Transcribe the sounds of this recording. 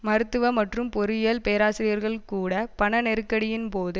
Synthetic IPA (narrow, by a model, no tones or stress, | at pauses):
mɐɾɯt̪ːɯʋɐmɐʈrɯmpɔɾɯjɐlpeːɾaːsɪɾɪjɐɾɣɐɭkuːɽɐpɐɳɐnɛɾɯkːɐɽɪjɪnpoːðɯ